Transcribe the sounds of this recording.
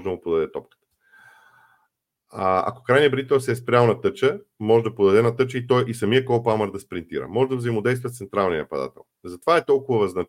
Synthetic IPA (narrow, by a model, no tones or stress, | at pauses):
ʒɛd̪ɐmʊpod̪ɐd̪ɛt̪ɔp̚kə̥t̪ə̥ | a̰ko̥kɾajniəbɾit̪ɛlˠsɛːspɾʲalnɐt̪ɤt͡ʃəmɔʒɛd̪ɐpod̪ɐd̪ɛnɐt̪ɤt͡ʃəit̪ɔjʔisɐmijəkɔwˠpamɛɾd̪ɐspɾint̪iɾə̰mɔʒɛd̪ɐvzɐimod̪ɛjst̪vət̪sɛnt̪ɾalˠnijəpɐd̪a̰t̪ɛ̰lˠzɐt̪ovaɛt̪ɔlˠkʊvəvɐznɐ